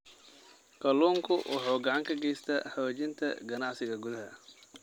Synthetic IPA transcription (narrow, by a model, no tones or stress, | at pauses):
kʰɐluːŋkʰʊwʔɑħɔːɡɐʕɑŋkʰɐɡɛjst̪ʰɐ̰ħɔːt͡ʃɪnt̪ʰɐ̰ɡɐnɑʕsɪɣɐɡʊðɐɦɐ